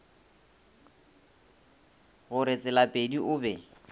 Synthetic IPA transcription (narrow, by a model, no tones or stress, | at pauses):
ɣʊɾɪt͡sʼɪlapʼediʔʊbɛ